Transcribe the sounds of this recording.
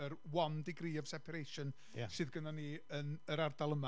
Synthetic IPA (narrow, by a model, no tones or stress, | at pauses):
əɾwɔndiɡriːɔv̥sɛpʰaɾejʃɔn̰ | sɨðɡənaniːənəɾardalˠəma